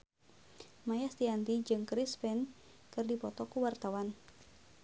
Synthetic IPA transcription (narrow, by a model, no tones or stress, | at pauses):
majast̪iant̪id͡ʒɨŋkɾispɛnkɨrdipɔt̪ɔkuwart̪awan